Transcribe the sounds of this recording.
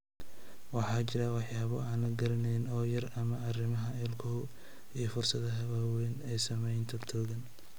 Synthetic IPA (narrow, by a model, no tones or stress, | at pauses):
wɑħɑːt͡ʃɪɾɐwɑħjaːβɔaːnlɐɡɐɾɐnɛjnɔːjɐrɐmɐɐrɪmɐɦɐɛlkʰɔ | ijɔfʊrsɐðɐɦɐwaːwɛːnɛːsɐmɛjnt̪ʰɐt̪ʰɔːɣɐn